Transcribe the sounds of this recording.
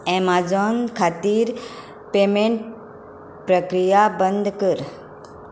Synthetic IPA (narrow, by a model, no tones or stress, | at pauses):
ɛmad͡ʒɔnkʰat̪iɾ | pemeɳʈ̚ | pɾəkɾijabənd̪ʱkəɾ